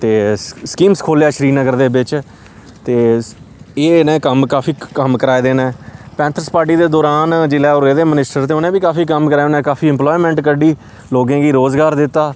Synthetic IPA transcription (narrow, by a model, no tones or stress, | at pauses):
t̪eːskiːmskʰoːljaːʃəɾiːnəɡəɾd̪eːbɪt͡ʃ | t̪eː | eːnẽːkəmkaːfʰiːkəmkəɾaːed̪eːnɛ̃ːpɛ̃ːnt̪ʰəɾspaːɾʈ̬iːd̪eːd̪ɔːɾaːnd͡ʒɪlɛːoːɾeːd̪eːmənɪsʈəɾt̪̬eːʊnẽːʋiːkaːfiːkəmkəɾaːnẽːkaːfʰiːɪ̃mplɔːiːmɛ̃ːɳʈkəɖiː | loːɡẽːɡiːɾoːzɡaːɾd̪ɪt̪ːaː